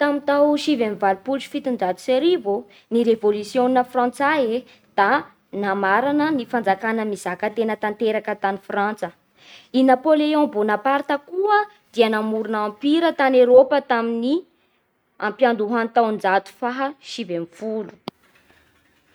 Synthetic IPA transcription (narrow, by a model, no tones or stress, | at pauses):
t̪amint̪awʃivemivalupult͡ʃi̥fit̪und͡ʒat̪u̥seɾivo | niɾevolusjonnəfrãnt͡sae | d̪̥a | namaɾanənifand͡zakanəmizakət̪enət̪ant̪eɾakət̪anifrant͡sə | inapoleõbonapaɾt̪əkuə | d̪̥iənamuɾunampiɾət̪anewɾopət̪amini | ampjand̪uɦant̪awnd͡zat̪u̥faɦəʃivemfulu̥